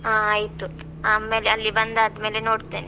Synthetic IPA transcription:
ɦaːajt̪u | aːme̞ːleɐlːibɐnd̪aːd̪me̞ːle̞no̞ːɖt̪eːne

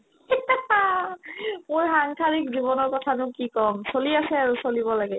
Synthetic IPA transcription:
a | mojxaŋkʰaɹikziβɔnɔɹkɔtʰanʊkikɔmsoliasɛaɹusoliβɔlaɡɛ

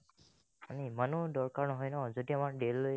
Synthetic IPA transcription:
animanudɔɹkaɹnɔɦɔjnɔzodiamaɹɖelːoj

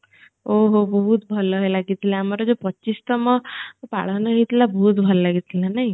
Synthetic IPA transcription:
oɦobəɦut̪̚bʱʌlɔɦelaɡit̪ʰilẽamaɾɔd͡zopɔtːt͡ʃist̪əmɔpa̰ɭ̤anaɦit̪labɔɦut̪bʱəllaɡit̪ʰilanaɦj

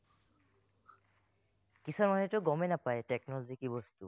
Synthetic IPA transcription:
kisɔmanetʊɡɔmenapajteknɔlɔzikibɔstṵ

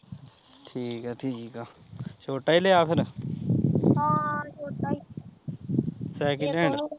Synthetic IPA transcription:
ʈʰiːkɛːʈʰikaː | t͡ʃʰoːʈaːiːleːaːpʰɪɾ | t͡ʃoːʈai | sɛːkiʈẽːɳɖ

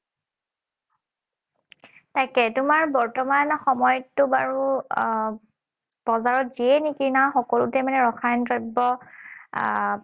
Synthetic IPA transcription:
tajkɛtʊmaɹbɔɹtɔmanxɔmɔjɔtːʊbaɹu | b̥ɔzaɹɔtziɛnikinaxɔkɔlʊtɛmanɛɹɔxʰajntɹɔbɔ

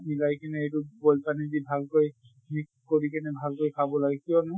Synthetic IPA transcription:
milajkinɛejtubɔlpanizibʱalkoj | ik | koɹikɛnɛbʱalkojkʰabɔlaɡɛkijɔnʊ

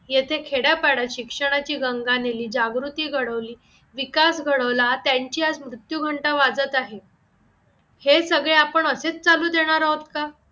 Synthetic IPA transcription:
jet̪ʰekʰeɽjapaɽaɕikʂəɽ̃at͡ɕiːɡəŋɡaneliːd͡ʑaɡɾut̪iːɡʱəɽəʋliː | ʋikasɡʱəɽəʋlat̪jaɲt͡ɕiːad͡zmɾut̪juɡʱəɳʈaʋad͡zət̪aɦe | hesəɡɭeapəɳəset͡st͡saluːd̪eɽ̃aɾaɦot̪ka

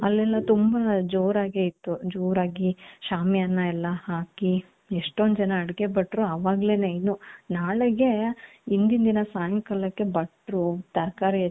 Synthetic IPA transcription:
ɐlːɛlːɐt̪umbɐd͡ʒoːɾaːɡeit̪ːud͡ʒoːɾaːɡiʃaːmijɐnːɐɛlːɐhaːki | eʂʈond̪d͡ʒɐnɐːɽɡebɐʈːɾuɐʋaːɡle̞ːnɐjnunaːɭeɡe̞ind̪ind̪inɐsaːjɐmkɐlːɐkːe̞bɐʈɾut̪ɐɾkaːɾi

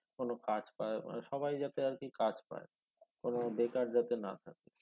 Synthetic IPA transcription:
konokad͡ʑpaeʃɔbajd͡ʑat̪eaɾkikad͡ʑpa̰e | konod̪ekaɾd͡ʑat̪ena̰t̪ʰake

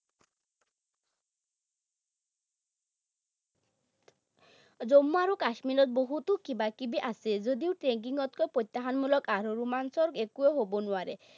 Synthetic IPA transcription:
d͡zomːoaɾokaʃmiɾɔt̪̚boɦut̪ukibakibiʔased͡ʑod̪iowʈɾeŋk̬iŋɔt̪kɔjpojt̪ːaɦanmulɔkaɾoɾumansɔɾɡekueɦobonuaɾe

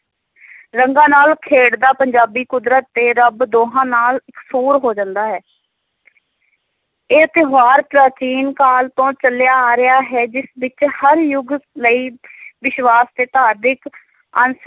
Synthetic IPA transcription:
ɾəŋɡãːnaːlkʰeːɽd̪aːpəɲd͡ʒaːbiːkʊd̪ɾət̪ːeːɾəbd̪oːɦãːnaːləksuːɾɦoːd͡ʒãːnd̪aːɦɛː | eːt̪ɪɦaːɾpɾaːt͡ʃiːnkaːlt̪õːt͡ʃəljaːɾɪjaːɦɛːd͡ʒɪsbɪt͡ʃhəɾjʊɡləiːʋɪʃwaːst̪eːt̪aːd̪ɪk | ə̰ns

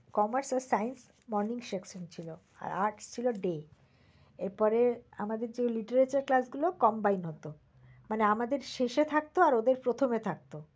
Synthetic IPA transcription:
kɔmaɾsɔlsajns | mɔɾniŋʃeksont͡ɕʰilo | a̰ɾaɾʈst͡ɕʰiloɖe | eɾpɔɾeamad̪eɾd͡ʑeliʈeɾet͡ɕaɾklasɡulokɔmbajnɦot̪o | maneamad̪eɾʃeʃet̪ʰak̚t̪oaɾod̪eɾpɾot̪ʰomet̪ʰak̚t̪o

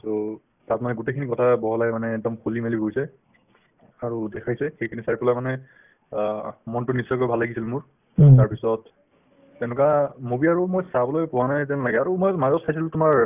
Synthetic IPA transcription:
to | tat̚manɛɡutejkʰinikɔtʰabɔɦɔlajmanɛːɡ̚dɔmkʰulimelibʱoijsɛ | aɹudɛkʰajsɛxejkʰinisaɹipɔlamanɛ | mɔntʊnisɔjkɔjbʱalːaɡisilmʊɹ | taɹpisɔtː | ɛʊnʊkamobiaɹumojsabɔlojpʊwanajt̬ɛnlaɡɛaɹumojmazɔtsʰajs̬ilʊtʊmaɹ

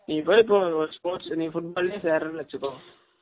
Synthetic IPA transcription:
nĩːpoːjɪp̬ːoːɔɾspoːʈsnĩːfʊʈ̚baːlneːseːɾɐnɐt͡ʃːɯkːõː

